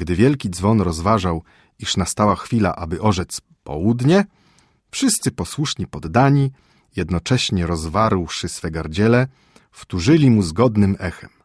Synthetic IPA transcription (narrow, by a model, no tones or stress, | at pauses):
ɡd̪ɘvʲjɛlkʲid̪zvɔnɾɔzvaʐaw | iʂnast̪awaxfʲila̰ʔabɘʔɔʐɛt̪s | pɔ̰wud̪ɲɛ | fʂɘst̪sɘpɔswuʂɲipɔd̪ːaɲi | jɛd̪nɔt͡ʂɛɕɲɛɾɔzvaɾwʂɘsfɛɡaɾd͡ʑɛlɛ | ft̪uʐɘlʲimuzɡɔd̪nɘmɛxɛm